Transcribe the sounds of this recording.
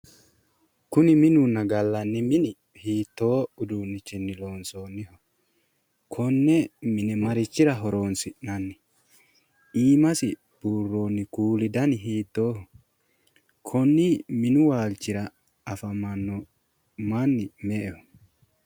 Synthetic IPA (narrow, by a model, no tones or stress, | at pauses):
kʊnɪmɪnʊnːɐɡɐlːɐnːɪmɪnɪ | hiːt̪ːo̞ːʊd̪uːnːɪt͡ʃːɪnːɪlo̞ːnsoːnːɪhɔ | kʰɔnːɛmɪnɛmɐɾɪt͡ʃːɪɾɐɦɔɾoːnsɪʔnɐnːɪ | iːmɐsɪ | b̥uːrːoːnːɪkuːlɪd̪ɐnɪɦiːt̪ːoːhɔ | kʰɔnːɪmɪnʊwaːlt͡ʃːɪɾɐː | fɐmɐnːɔ | manːɪmɛʔɛhɔ̥